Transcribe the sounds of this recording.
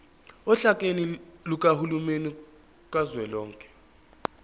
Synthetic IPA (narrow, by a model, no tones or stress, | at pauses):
ɔɬakʼeniluk̬ʼahulumeni | kʼazwɛlɔːŋkʼɛ̥